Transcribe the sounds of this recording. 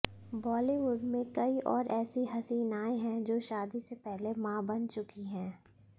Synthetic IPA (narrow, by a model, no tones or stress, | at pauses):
bɔːliʋʊɖmẽkɐiʔɔːɾɛːsiɦɐsiːnaːẽɦɛ̃d͡ʒoːʃaːd̪isepɛɦlemãːbɐnt͡ʃʊkiɦɛ̃ː